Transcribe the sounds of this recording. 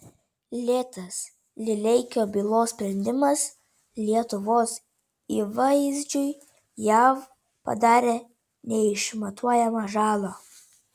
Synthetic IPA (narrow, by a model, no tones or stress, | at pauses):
lʲeːt̪ɐs | lʲɪlʲɛɪkʲoːbʲiːlˠoːssʲpʲɾʲɛnʲd̪ʲɪmɐs | lʲiɛt̪ʊʋoːs | iːʋɐɪzʲd͡ʒʲʊɪ | jæw | pɐ̰d̪ɑːɾʲeː | nʲɛɪʃmɐt̪ʰuɔjɛmɐʒɑːlˠoː